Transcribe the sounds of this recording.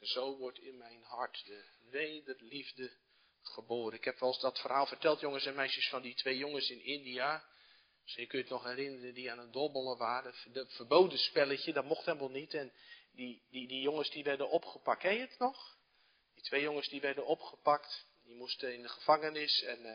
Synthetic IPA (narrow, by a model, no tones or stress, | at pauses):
z̥owʋɔrtʰɪnmɛjnhartdə | ʋeːdərlivdə | χəboːɾənɪkhɛpʋɛlˠsdɔtfərhaːlˠfərtɛlˠtjoŋəsɛnmɛjsjəsfɔnditʰʋeːjoŋəsɪnɪndia | sjəkøjətnɔxɛrɪnərəndiaːnəndɔbəlˠəʋaːrədəfərboːdənspɛləçədɔtmɔxthɛlˠmɔlˠnitɛndiidijoŋəsdiʋɛrdənɔpχəpakɛjətnɔx | d̥itʰʋejjoŋəsdiʋɛrdənɔpχəpakt | dimustəɪndəχəfaŋənɪsɛn